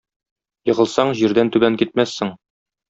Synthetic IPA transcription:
jɤ̆ʁɤ̆lˠsɑɴʑiɾd̪ænt̪ʉbæŋkit̪̚mæsːɘŋ

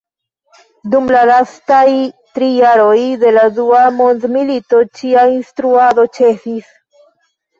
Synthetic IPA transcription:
dumlalastajtɾijaɾo̞jde̞laduamo̞ndmilito̞t͡ʃiainstɾuado̞t͡ʃe̞fis

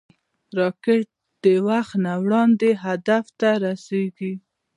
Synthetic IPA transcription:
ɾɑkeʈ̚ | d̪̥əwaxnawɽɑnd̪eɦad̪aft̪aɾaseɡi

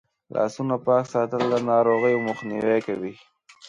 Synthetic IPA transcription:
lʔɑ̰sunapɑksɑt̪əld̪anɑɾoɣəjomʊxnḭwekawi

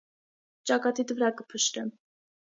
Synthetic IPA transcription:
t͡ʃɑkɑt̪it̪vəɾɑkəpʰəʃt̪ɛm

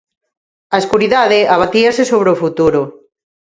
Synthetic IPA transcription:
aeskuɾiðaðeaβat̪iasesoβ̞ɾeofut̪uɾo

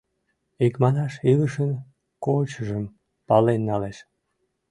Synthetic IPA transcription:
ikmɑnɑʃiləʃən | kot͡ɕəʒəm | pɑlenːɑleʃ

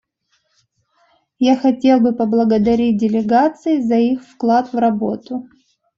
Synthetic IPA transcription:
jaxɐtʲe̞lˠbɨpəblˠəɡəd̪ɐɾʲit̚ʲdʲɪlʲɪɡat̪sɨɪzɐixfklˠat̪vrɐbo̞t̪ʊ

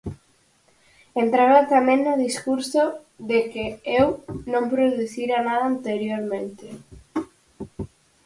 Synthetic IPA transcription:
ent̪ɾaβat̪amẽŋnoðiskuɾso | ðekeewnõmpɾoðuθiɾanaðant̪eɾjoɾmẽnt̪ɪ

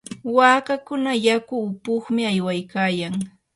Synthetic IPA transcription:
waːkakʊnajakʊːpʊχmɪajwajkaːjaŋ

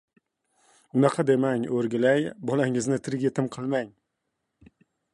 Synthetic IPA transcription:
ʊnɑqʰɑd̪e̞maŋɵɾɡʲɪlajbɒlaŋɪznɪt̪ʰɪɾɡʲe̞t̪ʰɪmqʰɨlˠmaŋ

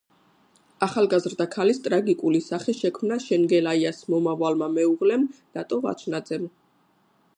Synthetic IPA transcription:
aχalˠɡazɾd̪akʰalist̪ʼɾaɡikʼulisaχɛʃɛkʰmnaʃɛŋɡɛlaiasmɔmavalmamɛuʁlɛmnat̪ʼɔva̰t͡ʃʰnad̪zɛm

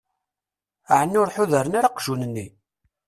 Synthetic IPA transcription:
ʕənːʊɾħʊðəɾənaɾaqʒunənːi

